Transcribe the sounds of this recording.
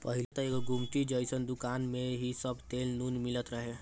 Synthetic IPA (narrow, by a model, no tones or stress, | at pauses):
pɐɦɪlet̪əeːkɡʊmʈ̪id͡ʒəjsənd̪ʊkaːnmẽɦisəbt̪eːlnunmɪlət̪ɾəɦe